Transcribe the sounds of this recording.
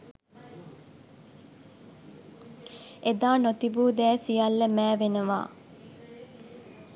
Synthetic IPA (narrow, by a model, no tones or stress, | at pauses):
ed̪aːnot̪ibuːd̪ɛːsijɐlːəmæːʋenəʋa̰ː